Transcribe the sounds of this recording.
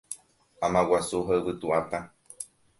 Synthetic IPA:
ãmãwasuɦaɨβɨt̪uat̪a

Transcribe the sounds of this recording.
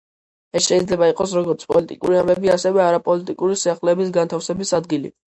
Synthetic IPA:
ɛsʃɛid̪zlɛbaiqʼɔsɾɔɡɔɾt̪sʰpʼɔlit̪ʼḭkʼṵɾiambɛbiasɛvɛaɾapʼɔlit̪ʼikʼuɾisiaχlɛːbis̬ɡant̪ʰafsɛbisad̪ɡilḭ

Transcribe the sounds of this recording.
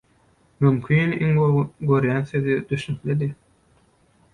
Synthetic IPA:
mymkʲʰiːniŋɡøɾjæːnθøðid̪yʃnykled̪i

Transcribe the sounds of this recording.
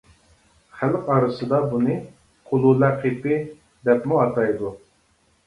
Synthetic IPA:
χælqɑɾɨsɨd̪ɑbunɨ | qʰʊlˠulæqʰipɪ | d̪ɛpmuɑt̪ʰɑjd̪u

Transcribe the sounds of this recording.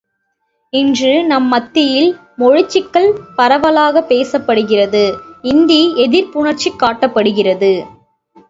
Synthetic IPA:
ɪndrɯnɐmːɐt̪ːɪjɪl | mɔɻɪt͡ʃːɪkːɐɭpɐɾɐʋɐlaːɣɐpeːsɐpːɐɽɯɣɪrɐðɯɪnd̪iɛðɪɾpʊɳɐɾt͡ʃːɪkːaːʈːɐpːɐɽɯɣɪrɐðɯ

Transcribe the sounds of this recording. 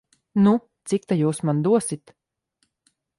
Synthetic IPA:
nu | t̪sik̚t̪ajuːsmand̪uɔsit̪

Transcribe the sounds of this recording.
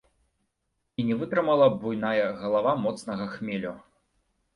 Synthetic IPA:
inʲɛvɨt̪ɾɨmalˠɐbujnajɐɣɐlˠavamɔt̪snɐɣɐxmʲɛlʲu

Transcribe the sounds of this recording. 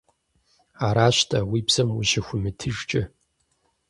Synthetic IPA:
aɾaʃʷtʰʼawibz̥ɨmuʃɪxʷʊmɨtʰɨʐt͡ʃʼɪ

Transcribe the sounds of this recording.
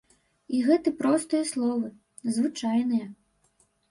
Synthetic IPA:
iɣɛt̪ɨpɾɔst̪ɨjɐslˠɔvɨ | zvɨt͡ʂajnɨjɐ

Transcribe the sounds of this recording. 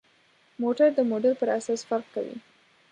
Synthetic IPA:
moʈaɾd̪əmoɖaɾpəɾasɑsfaɾqkawḭ

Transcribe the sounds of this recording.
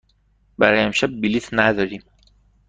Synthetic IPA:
bæɾɒjæmʃæb̚ːilit̪ʰnæd̪ɒɾiːm

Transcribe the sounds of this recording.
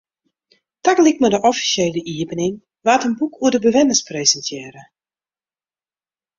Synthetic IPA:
taklɪk̚mədəʔɔfi̥sjeːləʔiəbənɪŋ | ʋaːtənbukʰuədəbəʋɪnəsprezəntʰjɛːɾə

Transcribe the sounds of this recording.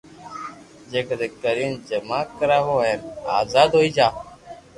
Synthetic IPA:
d͡ʒeːkəd̪eːkəɾiːnd͡ʒəmaːkəɾaːɦoːɦeːna̰ːzaːd̪ɦoːiːd͡ʒaː

